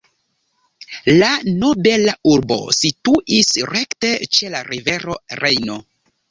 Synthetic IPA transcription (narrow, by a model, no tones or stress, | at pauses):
lano̞be̞lauɾbo̞̰situʔisɾekte̞t͡ʃe̞laɾive̞ɾo̞ɾejno̞